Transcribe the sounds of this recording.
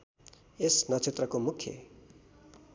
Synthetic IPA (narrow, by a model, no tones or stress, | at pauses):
esnʌt͡sʰet̪rʌkomukʰjʌ̰